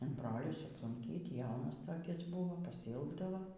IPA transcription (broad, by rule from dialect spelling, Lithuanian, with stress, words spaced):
ɪn ˈbroːlʲʊs ɐplˠʊŋʲˈkʲiːt ˈjɛʊnɐs toːˈkʲɪs ˈbʊʋoː pɐsʲɪˈɪlˠɡdɐʋoː